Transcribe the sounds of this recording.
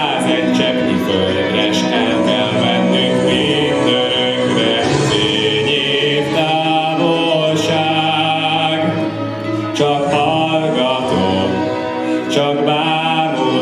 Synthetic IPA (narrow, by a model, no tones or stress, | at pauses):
tɛtt͡ʃɛbiføl | ɾɛʃkɛnk̪ɛlvɛnːykmi | nd̪ø | ŋkɾɛ | feːɲeːt̪aːvolʃa | ɡ | t͡ʃɒkhɒlɡɒt̪o | t͡ʃɒkbaːdo